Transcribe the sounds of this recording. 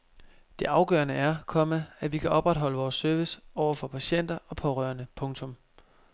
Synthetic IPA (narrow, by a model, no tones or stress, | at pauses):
d̥e̝ʔɑ̈ʊɡ̥ɶːɐnəæɐkʰɒ̽məæʋikʰæʔɒ̽b̥ʁad̥ɦɒ̽ləʋɒːsːøɐʋisɒʊɐfɒ̽pʰæɕen̰d̥ɐɒ̽pʰɒ̽ʁœːɐnəpʰɔ̽ŋt͡sʰɔ̽m